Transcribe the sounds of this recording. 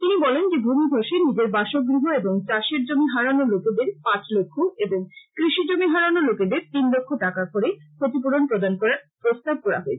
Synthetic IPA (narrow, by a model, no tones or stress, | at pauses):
t̪inibɔlend͡ʑebʱumiɡʱoʃenid͡ʑeɾbaʃok̚ɡɾiɦoeboŋt͡ɕaʃeɾd͡ʑomiɦaɾanoloked̪eɾpãt͡ɕlokʰːoeboŋkɾiʃid͡ʑomiɦaɾanoloked̪eɾt̪inlokʰːoʈakakoɾekʰot̪ip̬oɽonpɾod̪ankɔɾaɾpɾost̪ab̚kɔɾa̰ɦoet͡ɕʰe̥